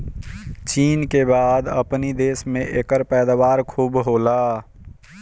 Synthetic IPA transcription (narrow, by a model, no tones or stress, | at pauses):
t͡ʃiːnkebaːd̪əpnid̪eːsmẽʔeːkəɾpɛːd̪aʋaːɾkʰuːbɦoːlaː